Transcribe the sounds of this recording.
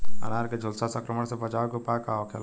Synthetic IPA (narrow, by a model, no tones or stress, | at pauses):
a̰naɾked͡ʒʱolsasə̃ŋkɾəməɽ̃sebəd͡ʒaːʋkupakaɔkʰḛl